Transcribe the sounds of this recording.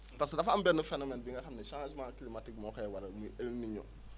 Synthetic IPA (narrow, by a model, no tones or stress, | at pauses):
paskedafãbɛnofɛ̃nɔmɛ̃nbĩŋkakaminɛʃãd͡ʒumãkilimatiɡmɔkajɛwaɾamĩelmĩɲɔ̰̃